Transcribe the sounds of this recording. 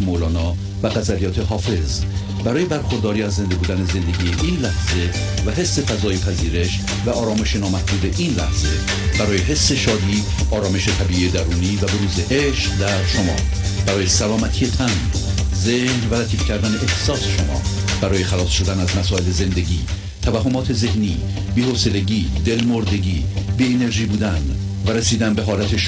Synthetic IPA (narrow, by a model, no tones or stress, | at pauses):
molɒːnɒː | væɣæzælijɒːt̪ʰeɦɒːfe̞z | bæɾɒːje̞bæɾxoɾd̪ɒːɾiːæzːe̞nd̪e̞buːd̪æne̞ze̞nd̪e̞ɟiːjeʔiːnlæhz̥e̞ | væɦe̞sːe̞fæzɒːjepʰæziːɾe̞ʃ | væʔɒːɾɒːme̞ʃenɒːmætbuːd̪e̞ʔiːnlæhz̥e̞̰ | b̥æɾɒːje̞ɦe̞sːe̞ʃɒːd̪iː | ɒːɾɒːme̞ʃet̪ʰæbiːijed̪æɾuːniːvæbeɾuːzeʔeʃqd̪æɾʃomɒ̰ː | b̥æɾɒːje̞sælɒːmæt̪ʰijet̪ʰæn | zehnvælæt̪ʰiːfcʰæɾd̪æne̞ʔext̪sɒːseʃo̞mɒ̰ː | b̥æɾɒːje̞xælɒːsʃo̞d̪ænæzmæsɒːe̞leze̞nd̪eɟiː | t̪ʰævæhɦːomɒːt̪ʰe̞ze̞hniː | biːhoːse̞le̞ɟiːd̪e̞lmoɾd̪e̞ɡɟiː | biːene̞ɾʒiːbuːd̪æn | væɾesiːd̪ænbe̞ɦɒːlæt̪ʰeʃ